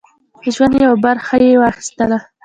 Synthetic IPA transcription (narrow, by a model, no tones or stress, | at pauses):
d̪əʒwand̪jawabaɾxajewɑxi̥st̪əla